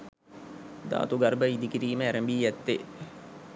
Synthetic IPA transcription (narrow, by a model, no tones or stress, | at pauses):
d̪a̰ːt̪uɡɐrbəid̪ikiɾiːməæɾəmbiːɛt̪ːe